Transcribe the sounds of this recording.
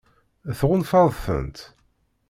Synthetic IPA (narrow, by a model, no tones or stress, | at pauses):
θʁʊnfɑðˤθə̰nt̪